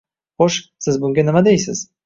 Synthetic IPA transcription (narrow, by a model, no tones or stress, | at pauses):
χoʃksɪzbʊŋɡʲanɪmad̪ejsɪz̥